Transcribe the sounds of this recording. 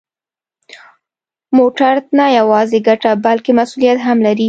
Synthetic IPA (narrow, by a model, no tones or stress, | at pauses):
moʈaɾd̪najawɑzeɡaʈabalkemasulijat̪ɦamlaɾi